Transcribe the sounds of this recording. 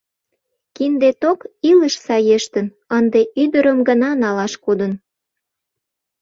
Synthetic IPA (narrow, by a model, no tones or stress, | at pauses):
kind̪et̪okiləʃsɑjeʃt̪ən | ənd̪eʔyd̪əɾəmɡənɑnɑlɑʃkod̪ən